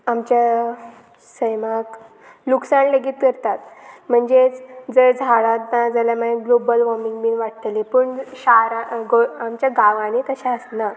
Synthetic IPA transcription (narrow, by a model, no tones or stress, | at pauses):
amt͡ɕa | səjmak | luksanləɡiːt̪kəɾt̪at̪m̤əɳd͡zet͡sd͡zəɾd͡zʱaɭãt̪nad͡zəljaməɡlobəlʋɔmiŋɡmiːnʋaʈət̪lepəɳɕaɾaɡoamt͡ɕjaɡaʋãñit̪əɕãəsna